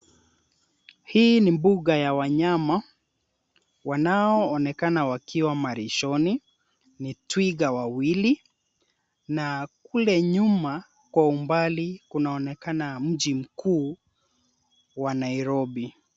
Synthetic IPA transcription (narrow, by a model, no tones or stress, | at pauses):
hiːnimbuɠajawaɲama | wanaɔːnɛkanawakiwamaɾiʃɔni | nitwiɡawawili | nakulɛɲuma | kwaumbalikunaɔnɛkanam̩ʄim̩kuː | wanaiɾɔbi